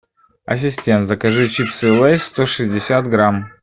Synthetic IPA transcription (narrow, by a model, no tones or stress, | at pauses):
ɐ̰sʲɪsʲtʲent̪zəkɐʐɨt͡ɕipsɨlˠɛsʲst̪oʂɨzʲdʲɪsʲat̪ɡɾam